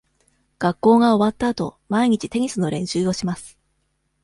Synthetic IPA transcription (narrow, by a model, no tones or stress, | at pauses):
ɡ̥akːo̞ːɡao̞βat̪ːaːt̪o̞̰maiɲ̟it͡ɕit̪e̞ɲ̟isɨno̞ɾẽ̞ɰ̃ɕɨːo̞ɕimasɨ̥